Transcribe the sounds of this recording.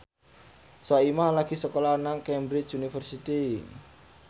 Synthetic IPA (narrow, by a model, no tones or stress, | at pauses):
sɔimahlaɡ̥i̤səkolanaŋkɛmbɾɪt͡ʃunifərsit̪i